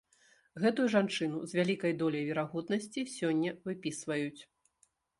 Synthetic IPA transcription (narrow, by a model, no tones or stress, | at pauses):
ɣɛt̪ujuʐant͡ʂɨnuzʲvʲalʲikɐjd̪ɔlʲɐjvʲɛɾaɣɔd̪nɐsʲt͡sʲisʲɔnʲːɐvɨpʲisvɐjut͡sʲ